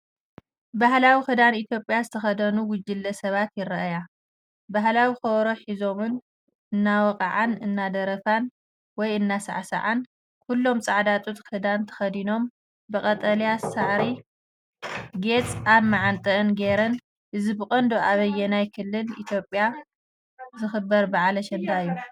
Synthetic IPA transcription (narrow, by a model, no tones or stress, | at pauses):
bahlawixɨd̪anit̪ʰjo̞pʼːjazɨt̪ʰɐxɐd̪ɐnuwʊd͡ʒɨlːɐsɐβat̪jɪɾɐʔja | baɦlawixɐwɾoħizo̞mɨn | ʔɨnːawɔkʼaʕanɨnːad̪ɐɾɐfan | wɔjɨnːasa̰ʕsa̰ʕan | kʰulːo̞mt͡sʼaʕd̪at̪ʼut̪kʰɨd̪ant̪ʰɐ̥xɐd̪ino̞m | bɨkʼɐt̪ʼɐljasaʕɾi | ɡet͡sʼaβmaʕant̪ʼɐʔɨnɡeɾɐn | ʔɨzibɨkʼɐnd̪oʔaβɐjːɛnajkʰɨlːɨlḭt̪ʰjo̞pʼja | zɨxɨbːɐɾbaʕalɐʃɛnd̪aɨjːu